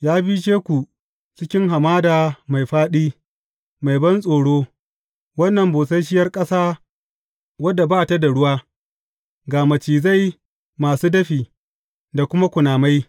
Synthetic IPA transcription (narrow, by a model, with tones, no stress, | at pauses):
jaː˦bi˦t͡ʃeː˦kʷu˨ | t͡ʃɪ˦kʲɪ˦ŋɦa˨maː˦daː˨ma˨jɸaː˦ɗiː˦ | ma˨jbɐ˦nsʼoː˨ɽoː˦ | wɐ˦nːɐ˨mboː˨sɐ˦ʃ̬ɪ˦jɐ˦rkʼɐ˦saː˦ | wɐ˦dːa˨baː˦ta˦da˨ɽʊ˦waː˦ | ɡaː˨mɐ˨t͡ʃiː˨za˦˨j | maː˨suː˦dɐ˦ɸiː˨ | da˨kʷʊ˦ma˦kʷʊ˨naː˨ma˦j